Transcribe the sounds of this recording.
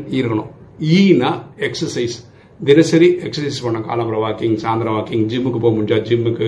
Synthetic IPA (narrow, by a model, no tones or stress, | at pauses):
iːɾkːɐɳo̰ːiːnɐeksɐsɐjs | d̪inɐsɐɾieksɐsɐjspɐɳːɐka̰ːlɐprɐʋaːkiŋsaːnd̪ɾɐʋaːkiŋd͡ʑimːɨkːɨpoːmuɳd͡ʒaːd͡ʑimːɨkːɨ